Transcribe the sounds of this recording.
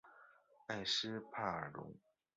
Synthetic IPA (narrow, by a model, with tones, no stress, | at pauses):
a˥˩ɪʂɻ̩˥pʰa˥˩ə˞˨˩lʊ̰˧˥ŋ